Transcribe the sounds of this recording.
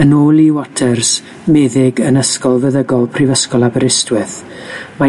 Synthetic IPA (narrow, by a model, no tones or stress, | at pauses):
ənoːlˠiwɔtʰɛrs | meːðɪɡənəskɔlˠvəðəɡɔlˠpʰrivəskɔlˠabəɾɪstwɪθ | ma